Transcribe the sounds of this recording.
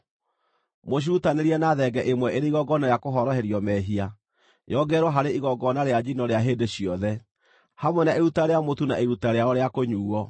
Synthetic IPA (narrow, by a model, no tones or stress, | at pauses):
moɕ̬utaneɾiɛnaðɛɡɛʔemwɛeɾeiɣɔɡɔnaɾeakoɦɔɾɔɦɛɾjɔmɛɦia | jɔɡɛɾwɔɦaɾeiɣɔɡɔnaɾead͡ʑinɔɾeaɦeːdeɕiɔðɛ | hamwɛnaeɾutaɾeamotunaeɾutaɾeaɔɾeakoɲuːɔ